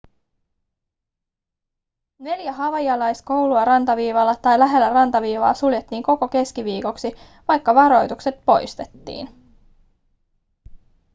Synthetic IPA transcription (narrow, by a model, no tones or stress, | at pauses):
ne̞ljæɦɑʋɑjɑlɑjsko̞wluɑɾɑnt̪ɑʋiːʋɑlːɑt̪ɑjlæɦe̞lːærɑnt̪ɑʋiːʋɑ̰ːsuljet̪ːiːŋko̞ko̞ke̞skiʋiːko̞ksi | ʋɑjkːɑʋɑɾo̞jt̪ukse̞t̪̚po̞jst̪e̞t̪ːḭːn